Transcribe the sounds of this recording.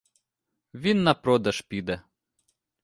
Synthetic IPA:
ʋʲinːɐpɾɔd̪ɐʃpʲid̪ɛ

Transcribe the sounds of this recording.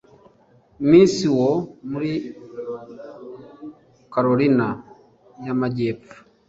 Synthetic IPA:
miːnsiwomuɾi | kaɾoɾina | jamaɟeːp̪fu̥

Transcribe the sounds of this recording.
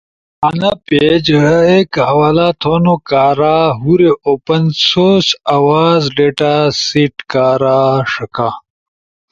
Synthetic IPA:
ɐnɐpeːd͡ʑekɦɐwaːlaːt̪ʰoːnokaːɾaɦuɾeʔoːpɐnsoːsawaːzɖeʈasiʈkaːɾaːʂɐkaː

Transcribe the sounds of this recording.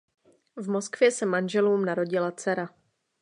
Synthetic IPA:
vmo̞skvjɛsɛmanʒɛluːmnaɾo̞ɟɪlat͡sɛɾa

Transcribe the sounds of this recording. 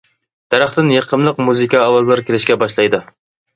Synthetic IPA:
d̪̥æɾæχt̪ɪnjeqʰəmlˠəq̚muzɨkʲʰɑːwɑzlˠɑɾkʲelɪʃkʲɛbɑʃlˠɑjd̪u

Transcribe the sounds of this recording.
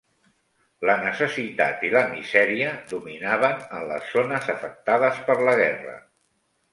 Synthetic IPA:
lənəsəsit̪a̰t̪iləmizɛɾiəðuminaβənənlə̰zːonəzəfək̚t̪aðəspəɾləɣ̞ɛrə̰

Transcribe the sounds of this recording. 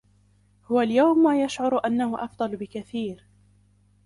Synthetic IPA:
hʊwaljawmːaːjaʃʕʊɾʔanːahʊʔɑfd̪ˤɑlbɪkaθiːɾ

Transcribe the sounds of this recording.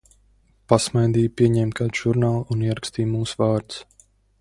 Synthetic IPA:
pasmajd̪iːjpʲiɛɲɛmt̪̚kʰaːd̪ʒ̥uɾnaːlˠuniɛɾakst̪iːmuːsvaːɾt̪s

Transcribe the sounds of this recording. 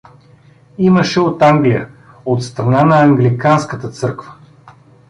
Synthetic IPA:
iməʃɛot̪aŋɡlijə | ot̪st̪ɾɐnanɐːŋɡlikanskət̪ət̪sɤɾkvə̥

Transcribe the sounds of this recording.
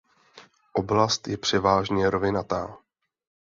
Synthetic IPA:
ʔo̞blast̪jɛpr̝̥ɛvaːʒɲɛɾovɪnat̪aː

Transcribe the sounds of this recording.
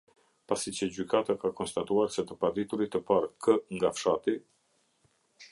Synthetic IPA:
pasit͡ɕəd͡ʑykat̪akakɔnst̪at̪uaɾsɛt̪əpad̪it̪uɾit̪əpaɾkʰəŋɡafʃat̪i

